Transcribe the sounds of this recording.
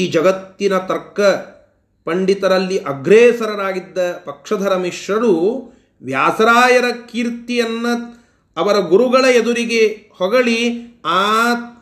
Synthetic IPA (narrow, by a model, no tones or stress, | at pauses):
iːd͡ʒɐɡɐt̪ːinɐt̪ɐɾkːɐ | pɐɳɖit̪ɐɾɐlːiʔɐɡɾeːsɐɾɐnaːɡid̪ːɐpɐkʂɐd̪ʱɐɾɐmiʂɐɾu | ʋjaːsɐɾaːjɐɾɐkiːɾt̪ijɐnːɐ | ɐʋɐɾɐɡuɾuɡɐɭɐed̪uɾiɡehɔɡɐɭiaː